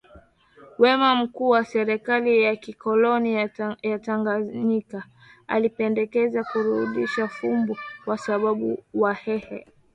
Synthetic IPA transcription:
wɛmam̩kuːwasɛɾɛkalijakikɔlɔnijataŋɡaɲika | a̰lipɛndɛkɛzakuɾuɗiʃafumbukwasaɓaɓuwahɛhɛ̰

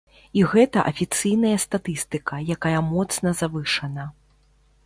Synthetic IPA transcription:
iɣɛt̪ɐʔɐfʲit̪sɨjn̪ɐjɐst̪at̪ɨst̪ɨkɐjakajɐmɔt̪snɐzavɨʂɐnɐ

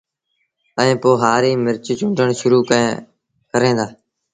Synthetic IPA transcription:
əẽːpoːɦaːɾiːmɪɾt͡ʃit͡ʃʊ̃ɳɖəɳʃʊɾuːkəẽː | kəɾẽːnd̪aː

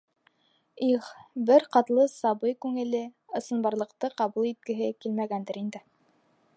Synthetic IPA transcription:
iχbɘɾqɑt̪lˠɤsɑbɤjkʉŋɘ̆lɘ | ɤ̆sɤ̆nbɑɾlˠɤ̆qt̪ɤqɑβulˠit̪̚kɘ̆ɦɘkilmæɡænd̪ɘɾind̪ɘ

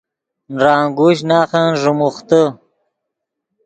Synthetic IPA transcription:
nɾaːŋɡuːɕ̬naːχanʐumuχt̪ə

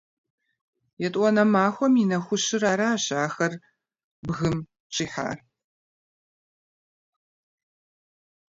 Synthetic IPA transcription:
jɛtʼʷɔnɐmaːxʷɔminɐxʷʊɕɪɾaːɾaːɕaːxɐr | bɣɨm | t͡ʃʼiːħa̰ːr

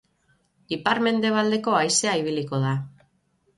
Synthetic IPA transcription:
ipaɾme̞nd̪e̞β̞ald̪e̞ko̞ajseaiβ̞iliko̞ð̞a

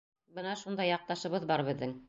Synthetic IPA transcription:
bɤnɑʃund̪ɑjɑq̚t̪ɑʃɤ̆βɤðbɑɾβɘ̆ðːɘŋ

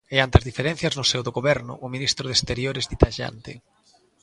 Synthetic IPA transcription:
eant̪eazðifeɾɛn̟θjɐznʊsɛwðʊɣoβɛɾnʊ̰ʔʊminist̪ɾʊðest̪eɾjoɾɪzðit̪aʃa̰nt̪ɪ̰

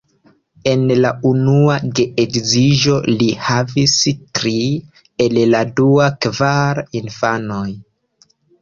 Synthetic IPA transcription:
e̞nlaunuaɡeʔekziʒo̞lihavistɾi | elladuakvaɾinfano̞j

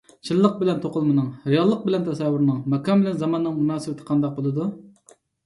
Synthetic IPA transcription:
t͡ʃʰɨlˠːəq̚bɪlɛnt̪ʰoqʊlˠmɨnɨŋɾejɑlˠːəq̚bɪlɛnt̪ʰɛsɛwːʊɾnɨŋmɛkʰɑmbɪlɛnzɑmɑnːɨŋmunɑːsɪbɪt̪ʰɪ̥qʰɑnd̪ɑq̚bolˠɨd̪u

